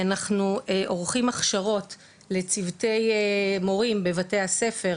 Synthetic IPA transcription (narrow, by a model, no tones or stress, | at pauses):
anaχnuʔo̞ʁχimaχʃaʁo̞t | le̞t͡sivte̞jmo̞ʁimbe̞vate̞hase̞fe̞